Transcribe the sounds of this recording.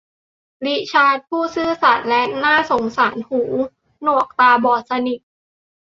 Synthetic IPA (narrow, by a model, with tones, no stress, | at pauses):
li˦˥ʔt͡ɕʰaː˧˥t̪̚pʰuː˥˩sɯː˥˩sa˨˩˦nlɛ˦˥ʔnaː˥˩so˨˩˦ŋsaː˩˦nhuː˩˦ | nu˨˩ək̚t̪aː˧bɔː˨˩t̪̚sa˧ni˨˩k̚